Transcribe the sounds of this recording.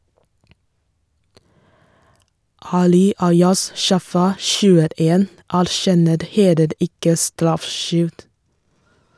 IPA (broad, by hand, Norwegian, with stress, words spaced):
ˈɑːlɪ ˈɑɪɑs ˈʃɑfɑ ʃʉːəˈeːn æɾˈʃɛnəɾ ˈheːləɾ ˈɪkə ˈstɾɑfˌʃʏld